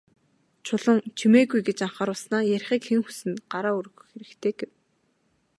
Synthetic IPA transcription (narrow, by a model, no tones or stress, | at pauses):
t͡ɕʰʊɮə̆ŋt͡ɕʰimeːɣujɡet͡ɕaɴχaːɾʊɮsnaːjæɾ̆ʲχiːkxeŋxu̥sɘ̆nɢaɾaːuɾ̆ɣ̆xeɾɘ̆kt̪ʰeːɡ̥ew